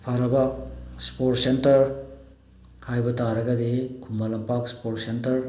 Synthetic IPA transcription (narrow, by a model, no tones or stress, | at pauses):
pʰaɾɐbɐspoɾtsentɐɾ | hajbɐtaɾɐɡɐdikʰumːalɐmpakspoɾtsentɐɾ